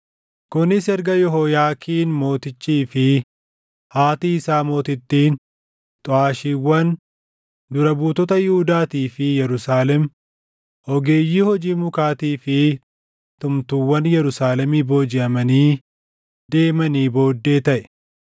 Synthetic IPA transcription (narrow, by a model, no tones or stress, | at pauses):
kʊnɪsɛɾɡɐjɔɦɔjaːkʰiːnmo̞ːt̪ɪt͡ʃːiːfɪ | haːt̪iːɪsaːmo̞ːt̪ɪt̪ːiːn | t̪ʼʊaːʃiːwːɐn | d̪ʊɾɐbuːt̪ɔt̪ɐjɪhʊd̪aːt̪iːfɪjɛɾʊsaːlɛm | ʔɔɡe̞ːjːiːhɔd͡ʒiːmʊkaːt̪iːfɪ | t̪ʊmt̪ʊwːɐnjɛɾʊsaːlɛmiːbo̞ːd͡ʒɪɐmɐniː | d̪e̞ːmɐniːbo̞ːd̪ːe̞ːt̪ɐʔɛ̥